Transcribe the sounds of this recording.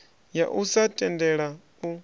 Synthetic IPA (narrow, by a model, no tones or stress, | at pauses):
jaʔusatʼɛndɛɺa | u